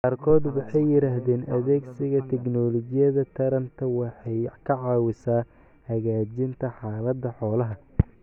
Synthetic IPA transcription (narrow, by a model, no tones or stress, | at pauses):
qɑːrkʰɔːd̪wɑħɑjːɪɾaːɦðɛːnʔɐðɛːɡsɪɣɐt̪ʰɛknɔːlɔt͡ʃɪjɐðɐt̪ʰɐɾɐnt̪ʰɐwɑħɑjkʰɐʕɑːwɪsaː | hɐɣaːt͡ʃɪnt̪ʰɐħɑːlɐd̪ɐħɔːlɐɦɐ